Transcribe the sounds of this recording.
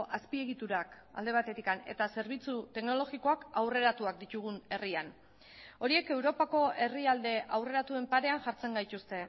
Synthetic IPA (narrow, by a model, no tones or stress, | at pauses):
ʔaspie̞ɣ̞it̪uɾak | a̰ld̪e̞β̞at̪e̞t̪ikane̞̰t̪ase̞ɾβ̞it͡sut̪e̞kno̞lo̞ɣiko̞akawre̞ɾat̪uak̚d̪it̪uɣune̞rian | o̞ɾie̞ke̞wɾo̞pako̞e̞riald̪e̞ʔawre̞ɾat̪ue̞mpaɾe̞anʝaɾt͡se̞ŋɡajt̪ust̪e̞